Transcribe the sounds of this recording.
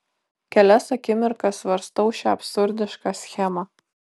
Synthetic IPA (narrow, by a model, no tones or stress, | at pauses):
kʲɛlʲɛsɐkʲɪmʲɪɾkɐsʋɐɾst̪ɐʊʃʲɛɐpʲsʊɾʲd̪ʲɪʃkɑsʲxʲæmɐ